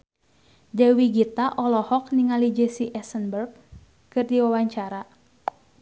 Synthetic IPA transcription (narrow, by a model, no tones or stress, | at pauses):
dɛwiɡit̪aʔɔlɔhɔk̚niŋalid͡ʒɛsiʔɛsənbərɡ̚ | kɨrdiwawaɲt͡ʃaɾa